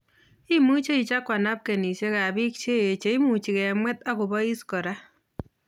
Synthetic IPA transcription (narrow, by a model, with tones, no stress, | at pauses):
i˦mu˦t͡ʃe˦i˨t͡ʃa˦kːwa˨na˦p̚ke˨ni˨se˦ka˨bi˦k̚t͡ʃe˦e˨t͡ʃe˨˦i˦mu˨t͡ʃi˨kɛ˨mwɛ˦t̪a˦ku˨bɔ˦i˦skɔ˨ɾa˦